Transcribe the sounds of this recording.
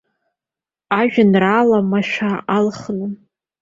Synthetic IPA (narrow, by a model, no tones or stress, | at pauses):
aʒᶣanralamaʃʷᶣaalχnɨ